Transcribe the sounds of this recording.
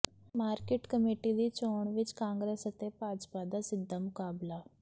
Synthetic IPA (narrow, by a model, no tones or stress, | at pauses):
maːɾkɪʈkəmeːʈid̪it͡ʃoːɳ̃ʋɪt͡ʃkãːŋɡɾeːsət̪epaːd͡ʒpad̪asɪd̪ʱːamʊkaːbla